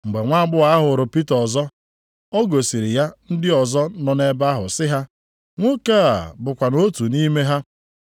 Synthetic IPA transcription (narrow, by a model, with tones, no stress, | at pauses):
ŋ͡m̩˨ɡ͡be˨ŋʷa˦ɡ͡bʊ˦a˨˦a˦ɦʊ˨ɾʊ˨pi˦tɔ˨zɔ˦ | ɔ˦ɡo˨si˨ɾi˨ja˦n̩˦dɪ˦ɔ˨zɔ˦nɔ˨ne˦ba˦ɦʊ˨sɪ˦ɦa˦ | ŋʷo˦ka˦a˨bʊ˨kʷa˨no˦tu˨ni˦me˦ɦa˦